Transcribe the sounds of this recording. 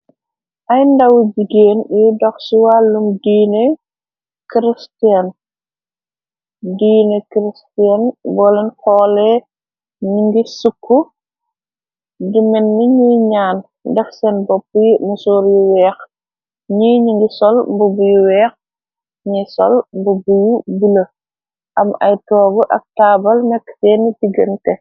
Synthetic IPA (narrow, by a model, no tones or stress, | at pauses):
ʔɐjndɐwd͡ʒiɡeːnjidɔxsiwaːlːumdiːne | kɾistian | diːnekɾistiɛnbɔːlɛnxɔːlɛ | ɲuŋɡisukʰːu | dimɛnmiɲujɲaːn | dɛfsɛnbɔpːimusoːɾjuwɛːx | ɲujɲiŋɡisɔlmbubujuwɛːx | ɲisɔ̰lmbubujubulɐ | ʔɐmɐ̰jtɔːɡɔʔɐk̚taːbɐlnɛkːtɛːntiɡəntɛ